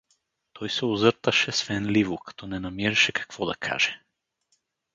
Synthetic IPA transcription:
t̪ʰɔjsɛuzəɾt̪aʃɛsvɛnlivukḁt̪ɔnɛnamɛɾɛʃɛkḁkvɔd̪a̰kʰa̰ʒ̥ɛ

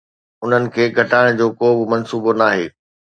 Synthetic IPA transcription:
ʊn̤ənɪ̆kʰeːɡʱɐʈaːɪɽ̃d͡ʑoːkoːbɪmɐnsuːbonaːɦeː

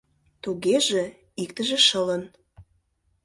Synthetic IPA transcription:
t̪oɣeʒĕ | ik̚t̪ə̆ʒĕʃələn

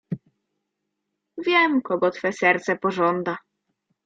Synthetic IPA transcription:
vʲjɛmkɔɡɔt̪fɛsɛɾt̪sɛpɔʐɔnd̪a

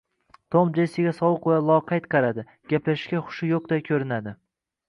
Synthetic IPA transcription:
t̪ʰomd͡ʒejsɪɡʲasɒwʊqwalˠɒqʰɑjt̪qʰɑɾad̪ɪ | ɡʲaplaʃɡʲaχʊ̥ʃɪjoq̚d̪ajkʲʰɵɾɪnad̪ɪ

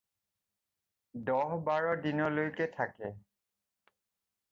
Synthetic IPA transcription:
dɔɦbaɹɔdinɔlojkɛtʰakɛ

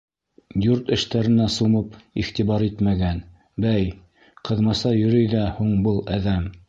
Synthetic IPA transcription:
juɾt̪ɘ̆ʃt̪æɾɘ̆næsumɤpḭχt̪iβɑɾit̪mæɡæn | bæj | qʰɤ̆ðmɑsɑjɵ̆ɾɵjðæhuɴbɤlˠæðæm

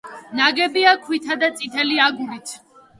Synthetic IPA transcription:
naɡɛbiakʰwit̪ʰad̪at̪sʼit̪ʰɛliaɡulit̪ʰ

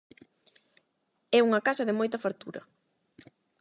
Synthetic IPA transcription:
ɛuŋɐkasɐðɪmojt̪ɐfaɾt̪uɾɐ̰

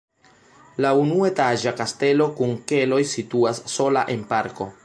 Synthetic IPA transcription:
launue̞taʒakaste̞lo̞kuŋke̞lo̞jsituasːo̞laʔe̞npaɾko̞̰

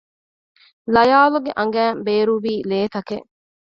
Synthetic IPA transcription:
lɐjaːluɡeʔɐŋ̆ɡæːmbeːɾuʋiːleːt̪ɐkeʔ

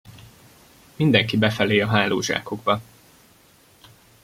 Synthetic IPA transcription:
mind̪ɛŋkibɛfɛleːɒɦaːlo̰ːʒa̰ːko̞ɡbɒ

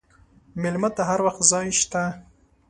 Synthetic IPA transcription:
mɪlmat̪aɦaɾwaxt̪zɑjʃt̪a

